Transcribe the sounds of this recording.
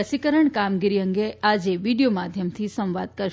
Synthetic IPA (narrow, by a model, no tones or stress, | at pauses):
əsikəɾəɳkamɡiɾiəŋɡead͡ʒeʋiɖijomad̪ʱjəmt̪ʰisə̃mʋad̪̚kəɾ